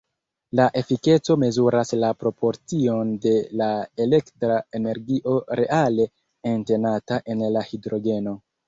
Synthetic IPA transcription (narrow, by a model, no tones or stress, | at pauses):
laʔe̞fike̞t͡so̞me̞zuɾaslapɾo̞po̞ɾt͡sio̞nde̞laele̞ktɾae̞ne̞ɾɡiʔo̞ɾe̞ʔale̞ː | nte̞nataʔe̞nlahidɾo̞ɡe̞no̞